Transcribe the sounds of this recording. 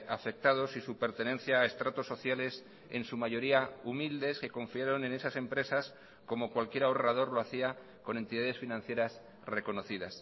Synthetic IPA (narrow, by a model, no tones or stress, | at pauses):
afe̞k̚t̪að̞o̞sisupe̞ɾt̪e̞nẽ̞n̟θjaːe̞st̪ɾat̪o̞sːo̞θjale̞s | e̞̰nsumaʝo̞ɾiaumild̪e̞ske̞ko̞ɱfiaɾo̞nẽ̞ne̞sase̞mpɾe̞sas | ko̞mo̞kwalkje̞ɾaorað̞o̞ɾlo̞aθia | ko̞ne̞nt̪iðaðe̞sfinãn̟θje̞ɾas | re̞ko̞no̞θiðas